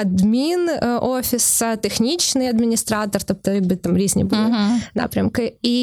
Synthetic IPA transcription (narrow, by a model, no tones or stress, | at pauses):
ɐd̪mʲinofʲɪsət̪ʲɪxnʲit͡ɕnɨjɐd̪mʲɪnʲɪst̪ɾat̪ərt̪op̚t̪əjaɡbɨt̪amɾʲisʲnʲɪ̰bɨlˠəna̰pɾʲəmkəi